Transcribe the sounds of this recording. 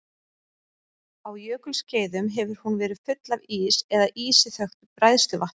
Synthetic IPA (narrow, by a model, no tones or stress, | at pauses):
awjœːkʏlsceːjðʏmɦɛvʏɾ̥hunvɛːɾɪðfʏt̪laviːsɛðaʔiːsɪθœxt̪ʏpɾajðst̪ʏvaht̪